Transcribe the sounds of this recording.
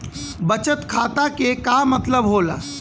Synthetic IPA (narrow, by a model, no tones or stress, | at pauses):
bət͡ʃət̪kʰaːt̪akekamət̪ləbɦoːla̰ː